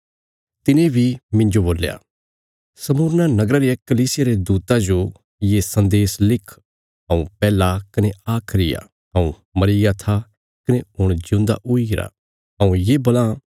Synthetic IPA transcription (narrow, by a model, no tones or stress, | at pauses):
t̪ɪnẽbʱimɪ̃ɲd͡ʒoboːlːja̰ː | sɐmuːɾnanɐɡɾaɾekɐliːsɪjaɾed̪uːt̪ãd͡ʒo | jesɐ̃nd̪eːslɪkʰ | ɦɐ̃ũpɛːlakɐneaːkʰɾɪja̰ | ɦɐ̃ũ | mɐɾijat̪ʰa | kɐneʊɽ̃d͡ʒʊ̃nd̪a̰ʔʊiɡɪɾa̰ | ɦɐ̃ũjeːbɐlã